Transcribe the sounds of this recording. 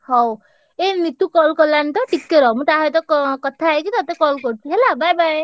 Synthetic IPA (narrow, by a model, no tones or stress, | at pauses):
hɔw | enit̪ukɔlkɔlant̪ʌʈikːeɾʌmut̪aɦʌjt̪̬ʌkkʌt̪ʰaekit̪ʌt̪ekʌlkoʈ̚ɦelabajbaj